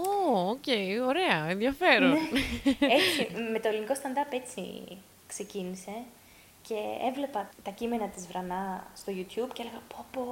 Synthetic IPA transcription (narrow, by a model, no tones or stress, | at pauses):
ooce̞io̞ɾe̞ɐenðjɐfe̞ɾoneesime̞t̪o̞eliniko̞st̪ɐnd̪ɐpe̞t͡sḭ | kse̞cinise̞ | ce̞ḛvle̞pɐt̪ɐcime̞nɐt̪izvɾɐnɐst̪o̞ʝut̪çubceeleɣɐpʰopo